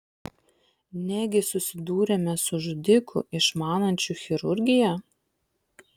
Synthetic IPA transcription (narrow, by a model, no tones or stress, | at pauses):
nʲæɡʲɪsʊsʲɪd̪uːɾʲɛmʲɛsʊʒʊd̪ʲɪkʰʊ̰ʔɪʃmɑːnɐnʲt͡ʃʲʊˑxʲɪɾʊɾʲɡʲɪjɛ